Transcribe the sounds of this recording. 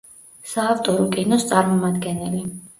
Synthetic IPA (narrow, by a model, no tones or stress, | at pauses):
saːft̪ʼɔɾɔkʼinɔst̪sʼaɾmɔmad̪ɡɛnɛli